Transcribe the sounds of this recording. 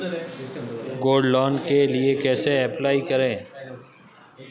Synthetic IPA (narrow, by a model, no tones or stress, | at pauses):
ɡoːɖlɔːnkeliekɛːseɛplaːikɐɾẽː